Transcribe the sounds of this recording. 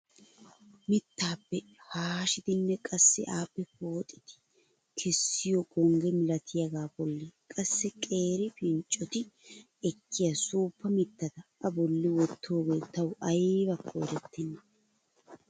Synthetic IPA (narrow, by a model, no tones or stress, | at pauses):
mɪt̪ːaːpːɛ | haːʃɪd̪ɪnːɛkʼɐsːɪ̰ʔaːpːɛpoːt̪ʼːɪ̥t̪ɪ̥ | kʰɛsːɪjɔɡʼɔŋɡɛmɪlɐt̪ʰɪjɐɡaːbɔlːɪkʼɐsːɛkʼe̞ːɾɪfɪnt͡ʃʼːɔt̪ɪ | ɛkʰːɪjɐsuːpːɐmɪt̪ːɐd̪ɐʔːbɔlːɪwɔt̪ʰːo̞ːɡeːt̪ɐwʔɐjbɐkʰːoɛɾɛt̪ːɛnːɐ